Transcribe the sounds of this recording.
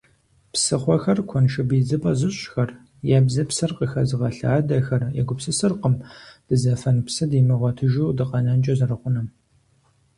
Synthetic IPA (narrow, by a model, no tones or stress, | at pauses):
psɨχʷɔxɐrkʷʰɔnʃɐbiːd͡zɨpʼɐzɨɕxɐr | jɛbzɐpsɨrqəxɐzɨʁɐɬaːdɐxɐrjɛ̰ɡʷʊpsɨsɨrqəmd̥ɨzɐfɐnpsɨdiːmɨʁʷɔtʰɨʒuwdɨqɐnɐnd͡ʒʼɐzɐrɨχʷʊnɐm